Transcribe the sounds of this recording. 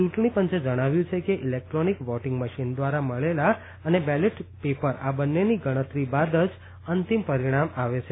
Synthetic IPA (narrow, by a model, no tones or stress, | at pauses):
t͡ʃuʈɳipənt͡ʃed͡ʒəɽ̃aʋjũt͡ʃʰekeʔilek̚ʈɾɔnikʋɔʈɪ̃ŋɡməʃind̪ʋaɾaməɭela | ənebɛleʈpepəɾabənːeniɡəɽ̃ət̪ɾibad̪əd͡ʒ | ənt̪impəɾiɽ̃amaʋet͡ʃʰe